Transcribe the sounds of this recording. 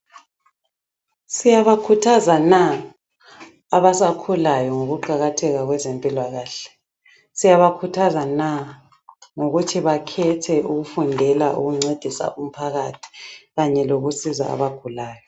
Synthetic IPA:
sijaβakʰutʰazana | aβasakʰulajɔŋoɣuǃaɣatʰɛɣaɣwɛzempʼilwaɣaːɬɛ̥ | sijaβakʰutʰazana | ŋoɣutʰiβakʰɛtʰɛuɣufundʱɛlaʔṵɣuŋ͡ǀed̥ʱisa̰ʔum̩pʰaɣatʰi̥ɣaɲɛloɣusiza̰ːβaɡ̥ʱulaːjɔ

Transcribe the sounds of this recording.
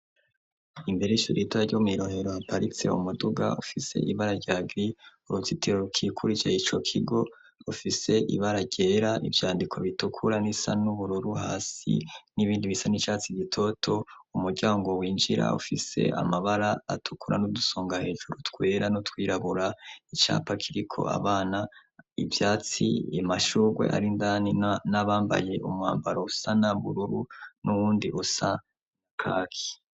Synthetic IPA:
imbeɾe̞iʃuɾitaaɾɟomiɾo̞he̞ɾo̞hapaɾit͡se̞̰ṵmuduɡa̰ufise̞̰ʔiβaɾaɾɟaːɡɾiuɾut͡sitiɾoɾukʰiːkʰuɾit͡ʃeit͡ʃo̞kʰiɡo̞ | ufise̞ʔḭβaɾaɟe̞ːɾaʔḭvjaːndikʰo̞βitukʰuɾanisanuβuɾuɾuɦaːsḭniβiːndiβisanit͡ʃaːt͡siɟitʰo̞tʰo̞umuɾɟaːŋɡo̞wiːnd͡ʒiɾa̰ṵfise̞̰a̰maβaɾa̰ːtʰu̥kuɾa̰nuduso̞ːŋɡahe̞ːʒuɾutkwe̞ːɾanutkwiːɾaβuɾait͡ʃa̰ːpakʰiɾikʰo̞̰a̰βaːnaivjaːt͡sḭimaʃuɡwe̞̰ʔa̰ɾindaninaβaːmba̰je̞ʔṵmŋa̰ːmbaɾousanaβuɾuɾunuwuːndiʔusa | nakʰaːkʰi̥

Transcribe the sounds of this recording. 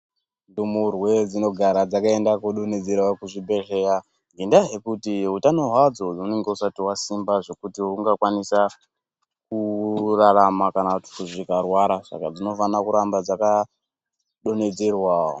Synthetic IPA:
ndumurwe̞d͡zino̞ɡʱaɾad͡zakae̞ndakuɗone̞d͡zerwakuʐibʱe̞ɮeja | ŋɡendaɦe̞kutiɦutano̞ɦwad͡zo̞oune̞ŋɡeusatiwasimbaʐe̞kutiuŋɡakwanisa | kuraramakanakuti̥kuʐikarwaɾaʂa̰kad͡zino̞fanakuɾambad͡zaka | ɗo̞ne̞d͡zerwao

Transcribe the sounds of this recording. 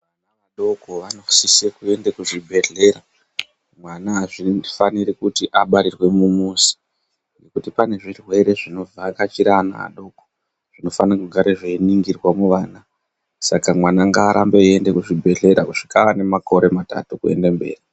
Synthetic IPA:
ʋanaʋaɗo̞ko̞ʋanosisekue̞ndekuʐibʱe̞ɮe̞ɾa | mwanaːʐifaniɾikutiʔaɓaɾirwe̞mumusi̥ | nekutipane̞ʐirwe̞ɾe̞ʐino̞vaːkat͡ʃiɾana̰a̰ɗo̞ko | ʐ̥ino̞fanakuɡʱaɾeʐeiniŋɡirwamuʋaːna | sakamwanaŋɡaːɾambeiende̞kuʐibʱe̞ɮe̞ɾakuʐ̥ikaʋane̞mako̞ɾe̞mata̰tukue̞̰ndambe̞̰ːri

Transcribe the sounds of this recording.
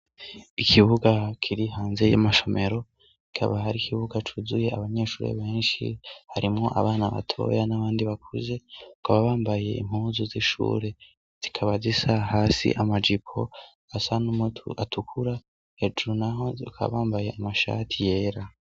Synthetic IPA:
ikʰiβuɡakʰiɾihaːnze̞jamaʃo̞me̞ɾo̞ | ki̥kʰa̰βaɦaɾikʰiβuɡat͡ʃuzuje̞aβaɲe̞ːʃuːɾḛβe̞ːnʃḭhaɾʔimŋo̞ʔa̰βaːnaβa̰tʰo̞̰janaβaːndiβakʰuze̞ukaβaβaːmbaje̞̰im̥huːnzuziʃṵːɾe̞ | z̥ikʰaβazisahaːsḭʔamad͡ʒipʰo̞ | asanumatʰukʰuɾa | he̞d͡ʒuɾunaɦo̞ukʰa̰βaːmbaje̞amaʃa̰ːtʰije̞ːɾa

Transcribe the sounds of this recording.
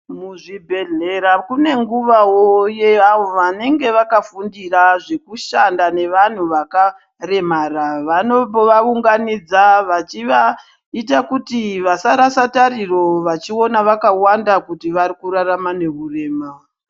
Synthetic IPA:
muʐibʱe̞ɮe̞ɾakune̞ŋɡuʋawojeaʋo̞ʋane̞ŋɡe̞ʋakafundiraʐe̞kuʃandane̞ʋan̤uʋaka | re̞maraʋano̞oʋauŋɡanid͡zaʋat͡ʃiʋa | it̬akutiʋasaɾasataɾiro̞ʋat͡ʃio̞naʋakawandakutiʋaɾikuɾaramane̞ɦure̞ːma

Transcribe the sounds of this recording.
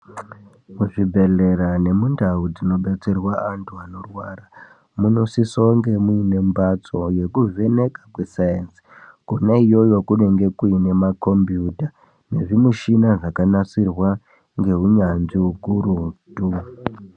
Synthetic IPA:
muʐibʱe̞le̞ɾane̞mundaud͡zino̞ɓet͡serwaantʰuano̞rwara | muno̞sisoŋɡe̞muine̞mbat͡so̞je̞kuve̞ne̞kakwe̞sajens | konaijo̞jo̞kune̞ŋɡe̞kuine̞mako̞mbjuta | ne̞̰ʐimuʃinaʐakanasirwa | ŋɡe̞ɦuɲanʐiukuɾutu

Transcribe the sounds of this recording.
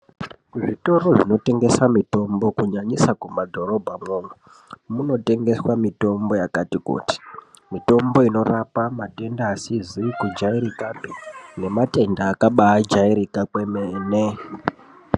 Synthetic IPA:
ʐito̞ɾo̞ʐino̞te̞ŋɡe̞samito̞mbo̞kuɲaɲisakumadʱo̞ɾo̞bʱamoːŋɡo | muno̞te̞ŋɡe̞swamito̞mbo̞jakatikṵti̥ | mito̞mbo̞ino̞rapamate̞ndaːsizikud͡ʒaiɾikapine̞mate̞ndaːkaɓaːd͡ʒaiɾikakwemeːne

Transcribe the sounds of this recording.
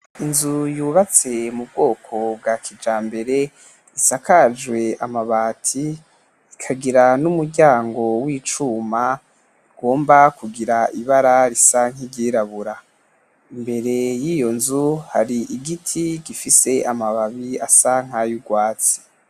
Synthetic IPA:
inzujuːβat͡se̞mub̚ɡo̞ːkʰo̞b̚ɡakʰid͡ʒaːmbe̞ɾe̞ | isakad͡ʒwe̞amaβaːtʰi | ikʰaɡiɾanumuɾɟaːŋɡo̞wiːt͡ʃuːma | iɡ̥o̞ːmbakuɡiɾaiβaɾaɾisaŋ̥iɟiːɾaβuɾa | imbe̞ɾe̞jiːjo̞nzuhaɾiʔiɡitʰiɡifise̞amaβaβiasaŋ̥hajuɡwaːt͡si̥

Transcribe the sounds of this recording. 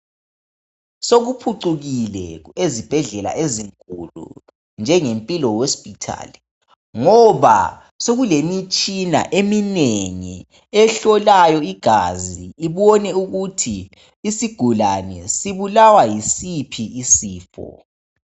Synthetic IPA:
soɣupʰuǀuɣilɛezib̥ʱɛɮɛla̰ʔeziŋkʼulṵ | nd͡ʒʱɛŋempʼilɔwospʼitʰa̰ːli | ŋɔβa̰ | soɣulemit͡ʃʼina̰ʔemineŋḭ | ɛɬɔlajɔiɡ̥ʱaziːβɔnɛuɣutʰiː | siɡ̥ʱulanɛsiβulawajisipʰiːsiːfɔ̰

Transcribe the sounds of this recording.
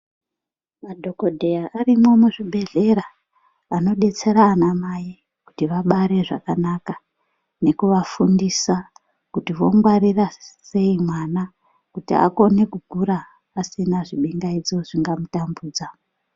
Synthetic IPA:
madʱo̞ko̞dʱe̞jaʔarimwo̞muʐiɓʱe̞ɮe̞raː | no̞ɗe̞t͡se̞ɾaːnamaji | kutiʋaɓaɾe̞ʐa̰kanaka | ne̞kuʋafundisa | kutiʋo̞ŋɡwaɾirase̞imwana | kutḭa̰ko̞ne̞kuɡʱuɾaː | sinaʐiɓeŋɡaid͡zo̞ʐiŋɡamutambuːd͡za

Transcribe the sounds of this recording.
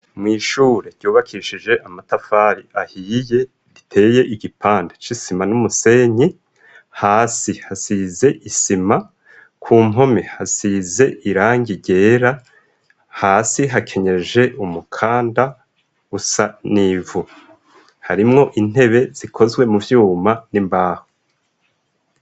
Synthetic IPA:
mŋiːʃuːɾe̞ɾɟ̥uːβakʰiʃid͡ʒe̞ʔamatafaːɾiʔahiːje̞ | βitʰe̞ːje̞ʔiɡipʰaːndet͡ʃisimanumuse̞ːɲi | haːsihasize̞ʔisima | kʰuːmɦo̞mehasize̞ʔiɾaːŋɡiɾɟe̞ːɾa | haːsiɦakʰe̞ɲe̞ʒe̞ʔumukʰaːnda | ɡusaniːvu | haɾimŋo̞ʔin̥e̞βe̞z̥ikʰo̞zɡwe̞muvjuːmanimbaːho

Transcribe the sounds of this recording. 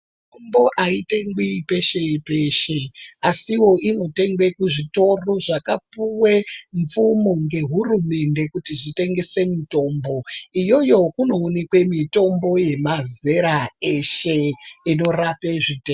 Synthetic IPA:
mufumbo̞ʔaiteŋɡwipe̞ʃe̞pe̞ʃe̞asiwo̞ʔino̞te̞ŋɡwe̞kuʐito̞roʐakapuwe̞ɱfumoŋɡe̞ɦurume̞nde̞kutiʐite̞ŋɡe̞se̞mito̞mbo̞ijo̞jo̞kuno̞ːnekwe̞mito̞mbo̞je̞maze̞ɾae̞ʃe̞ino̞rape̞ʐiteŋ

